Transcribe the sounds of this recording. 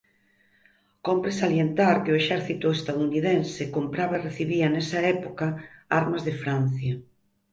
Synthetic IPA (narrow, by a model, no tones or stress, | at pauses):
kompɾesaljent̪aɾkɪʊeʃɛɾθit̪ʊest̪aðuniðɛnsɪkompɾaβɐereθiβiɐnɛsɐɛpokɐaɾmɐzðefɾan̟θjɐ